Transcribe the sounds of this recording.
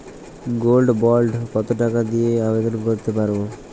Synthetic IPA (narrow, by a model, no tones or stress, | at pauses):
ɡolɖbɔlɖkɔt̪oʈakad̪ijeabed̪ɔnkoɾt̪epaɾbo